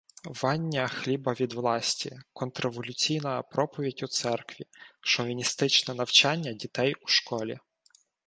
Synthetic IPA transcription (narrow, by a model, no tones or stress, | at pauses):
ʋɑnʲːɐxlʲibɐʋʲid̪ʋlˠɑsʲtʲikɔnt̪ɾeʋɔlʲʊt͡sʲijnɐpɾɔpɔʋʲidʲut̪sɛrkʋʲiʃɔʋʲinʲist̪ɪt͡ʃnɛnɐwt͡ʃɑnʲːɐdʲit̪ɛjuʃkɔlʲi